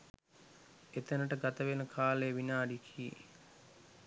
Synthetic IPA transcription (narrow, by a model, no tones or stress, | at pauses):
et̪ənəʈəɡat̪əʋenəkʰaːlejəʋinaːɖikʰiḭ